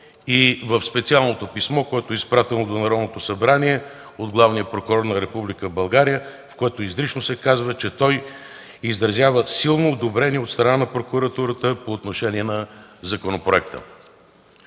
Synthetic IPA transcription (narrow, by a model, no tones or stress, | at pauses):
ivəfspɛt̪sialˠnot̪opismɔkoɛt̪oɛispɾat̪ɛnod̪onɐɾɔd̪not̪osɐbɾaniɛ | od̪ɡlˠavnijəpɾokʊɾɔɾnɐɾɛpublikəbɐlˠɡaɾijə | fkoɛt̪oizɾit͡ʃnosɛkazvət͡ʃɛt̪ɔj | izɾɐzʲjavəsilˠnoːd̪obɾɛniɛot̪st̪ɾɐnanɐpɾokʊɾɐt̪uɾət̪əpoːt̪noʃɛniɛnɐzɐkonopɾoɛkt̪ə̰